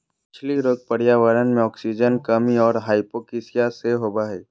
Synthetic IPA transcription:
pɪt͡ʃʰliɾoːɡ̚pəɽijaːʋəɾənmẽɔːksid͡ʒənkəmiɔːɾɦaːɪpokisijaseɦoːbaɦɛː

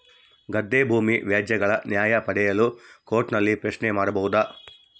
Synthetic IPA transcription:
ɡɐd̪ːebʱuːmiʋjaːd͡ʒjɐɡɐɭɐnjaːjɐpɐɽɛjɐluko̞ːɾʈnɐlːipɾɐʃnemaːɽɐbɐʋud̪ɐ

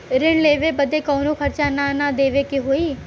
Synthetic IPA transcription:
ɾɪɳleːʋeːbəd̪eːkoːnũːkʰəɾt͡ʃaːnaːnad̪eːʋeːkɪɦoːiː

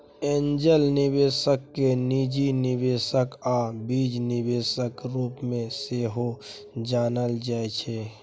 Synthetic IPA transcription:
ẽːɲd͡ʒəlnɪbeːsəkːenid͡ʒinɪbeːsəkaːbiːd͡ʒnɪbeːsəkɾuːpmẽseːɦo | d͡ʒaːnəld͡ʒaːet͡ʃʰeː

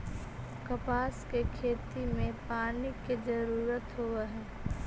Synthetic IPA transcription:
kəpaːskekʰeːt̪imẽpaːniked͡ʒəɾuːɾət̪ɦoeɦɛː

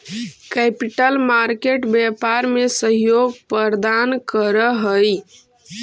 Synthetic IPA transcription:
kɛpiʈəlmaɾkeʈbjɛpaɾmesəɦjoɡpəɾd̪ankəɾəɦəj

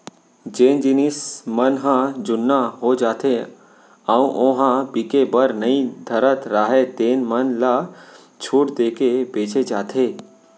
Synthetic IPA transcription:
d͡ʒeːnd͡ʒɪnɪsmənɦãd͡ʒʊnːaɦod͡ʒaːt̪e | aũʔõɦãbikebəɾnɐĩd̪ʱəɾət̪ɾaːɦed̪eːnmənla | t͡ʃʰuːʈd̪eːkebeːt͡ʃed͡ʒaːt̪ʰeː

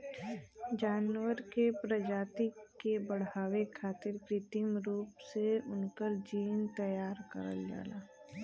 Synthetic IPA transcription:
d͡ʒaːnwəɾkepɾəd͡ʒaːt̪ikebəɽ̤aːwekʰaːt̪ɪɾkɾɪt̪imɾuːpseʊnkəɾd͡ʒiːnt̪əjaːɾkə̰ɾə̰ld͡ʒa̰ːla̰ː

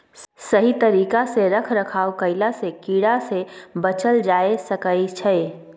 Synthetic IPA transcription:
səɦit̪ɐɾiːkaseɾəkʰɾəkʰaːokəɪlasekiːɽasebət͡ʃəld͡ʒaːesəkəit͡ʃʰɛ

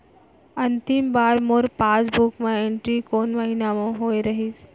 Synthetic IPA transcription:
ɐ̃nt̪ɪmbaːɾmʊɾpaːsbʊkmẽẽɳʈɾikoːnʋɐɦiːnamõɦoːeɾɐɦiːs

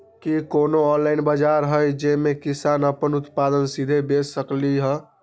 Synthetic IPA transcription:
kikoːnoɔnlaɪnbəd͡ʒaɾɦəjd͡ʒemekisaːnəpənʊt̪pad̪ənsid̪ʱebesəkliɦə̃

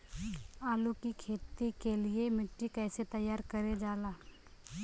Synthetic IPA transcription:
aːlukikʰeːt̪ikeliemɪʈːikɛːset̪ɐjːaːɾkɐɾed͡ʒaːlaː

